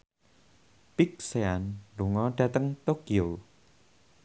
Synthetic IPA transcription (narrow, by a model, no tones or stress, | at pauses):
pik̚seanluŋɔɖ̥ä̤t̪əŋt̪okio